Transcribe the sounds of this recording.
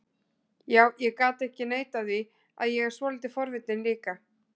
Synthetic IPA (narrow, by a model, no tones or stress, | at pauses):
jaːwjɛɣkaːt̪ɛhcɪneːjt̪aðvi | a̰ðjɛɣɛɾ̥svɔːlit̪ɪfɔɾvɪt̪̚nɪnliːka